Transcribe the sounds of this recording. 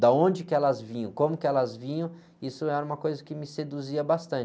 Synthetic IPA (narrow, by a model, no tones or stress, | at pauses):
d̪aõd͡ʒɪkɪɛlɐzvĩɲɐ̃w̃kõmʊkɪɛlɐzvĩɲɐ̃w̃ | isʊɛɾɐũmɐkojzɐkɪmɪsed̪uziɐbast̪ɐ̃t͡ʃɪ